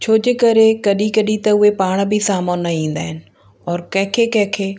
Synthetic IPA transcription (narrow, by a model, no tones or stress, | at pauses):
t͡ɕʰoːd͡ʑekɐɾekɐɗikɐɗit̪ɐʊɦepaːɽ̃bʱɪsaːmoːnːɐĩːn̆d̪aːɦɪnɪ̆ | ɔːɾkɐ̃ɦkʰekɐ̃kʰeː